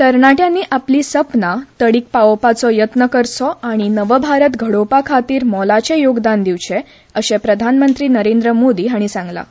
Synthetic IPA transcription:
k̪əɾɳaʈjãnːiːʔapliːsəpnat̪əɽiːk̚paopat͡sɔjət̪nəkəɾt͡sɔaɽ̃inəʋəbʱaɾət̪ɡʱəɽopakʰat̪iːɾmɔlat͡ɕejoɡd̪and̪iʋt͡ɕe | əɕepɾəd̪ʱanmənt̪ɾiːnəɾend̪ɾəmod̪iːɦaɽ̃isãŋɡla̰

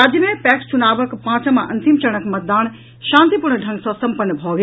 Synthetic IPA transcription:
aːd͡ʑjəmẽpɛːkst͡ʃunaːʋəkpãːt͡ɕəmãʔɐ̃nt̪imt͡ʃɐɽ̃əkmɐt̪̚d̪aːñ | ʃãːnt̪ipuɾɳɖʱɐ̃ŋɡsɔ̃sɐ̃mpənːbʱɔːɡ

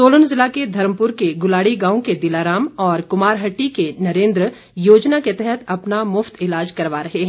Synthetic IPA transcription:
soːlənzɪlaked̪ʱɐɾmpʊɾkeɡʊlaːɽiɡãːõked̪ɪlaːɾaːmɔːɾkʊmaːɾɦɐʈːikenɐɾẽːnd̪ɾ | joːd͡ʒnaket̪ɛɦɛt̪ʰɐpnamʊft̪ɪlaːd͡ʒkɐɾʋaɾɐɦeɦɛ̃

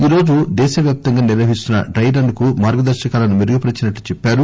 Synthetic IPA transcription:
iːɾo̞ːd͡ʒud̪ɛːʃɐʋjaːp̚t̪ɐŋɡaːniɾʋɐɦist̪unːɐ̰ɖɾɐjɖɐnkumaːɾɡɐd̪ɐɾʃɐkaːlɐnumiɾuɡɐpɐɾit͡ʃinɐʈːut͡ʃɛpːaːɾu

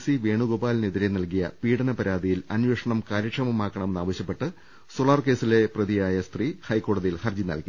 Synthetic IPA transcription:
siʋe̞ːɳuɡobaːlneðiɾenɐlkijɐ̰piːɽɐnɐpɐɾaːd̪ijilɐnʋeːʂɐɳɐmkaːɾɐkʂɐmɐmaːkːɐɳɐmenːaːʋɐɕjɐpːe̞ʈːɨ | soɭaːrke̞ːsile̞prɐðijaːjɐst̪rihɐjkːo̞ːɽɐðijilhɐrd͡ʑinɐ̰lki

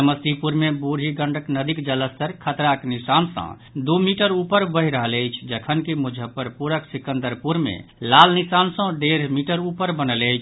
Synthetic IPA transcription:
əməst̪ipuɾmebuɾ̤ʱiɡə̃ɳɖəknəd̪ikd͡ʒələst̪əɾkʰət̪ɾaknisansə̰̃ | d̪umiʈəɾupəɾbəɦiɾəɦələjt͡ʃʰd͡ʒəkʰənkimud͡ʒʱəpəɾpuɾəksikə̃nd̪əɾpuɾmḛlalnisansə̃ɖeɾmiʈəɾupəɾbənələjt͡ʃʰ

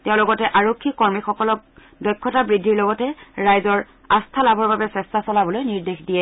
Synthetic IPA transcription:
tɛʊ̃lɔɡɔtɛʔaɹokʰːikɔɹmixɔkɔlɔk̚ | dɔjkʰːɔtabɹidʱːiɹlɔɡɔtɛɹajzɔɹ | astʰalabʱɔɹbabɛsɛstasɔlabɔlojniɹdexdijɛ

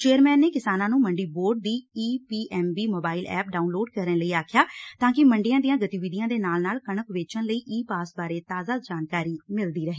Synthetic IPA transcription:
t͡ʃeːəɾmɛːnːeːkɪsaːnãːnũːməɳɖiːboːɾɖ̚d̪iːiːpiːʔɛːmbiːmoːbaːɪlɛ̰ːp̚ɖaːunloːɖkəɾələiːaːkʰjaːt̪ãːkɪməɳɖɪjãːd̪ijãːɡət̪iːʋɪd̪ɪijãːd̪eːnaːlnaːlkəɳəkʋeːt͡ʃənləiːʔiːpaːsbaːɾeːt̪aːzaːd͡ʒaːnkaːɾiːmɪld̪iːɾəɦeː

